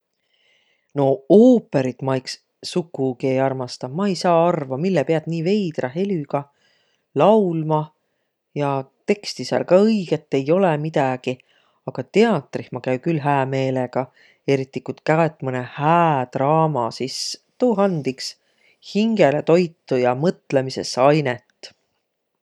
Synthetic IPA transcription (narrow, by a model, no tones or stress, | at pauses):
no̞oːpːˑe̞ɾit̪mɑjksː | ukːˑukie̞jɑrmɑst̪ɑmɑejsɑːɑrvɑmilːepeɑt̪niːve̞jd̪̥rɑɦe̞lyɡ̥ɑ | lɑwlmɑ | jɑt̪e̞kst̪isɑ̰lkɑɤjɡ̥et̪ːe̞jo̞lemid̪̥ɑɡ̥i | ɑɡ̥ɑt̪e̞ɑt̪ːˑrihmɑkæɥkylɦæːme̞ːleɡ̥ɑ | e̞ɾit̪ːikut̪kæet̪ːˑmɤnehæːt̪rɑːmɑsist̪uːɦɑnd̪̥iks | hiŋɡe̞let̪o̞jt̪ːujɑmɤt̪lemise̞̰sɑjnet̪ˑː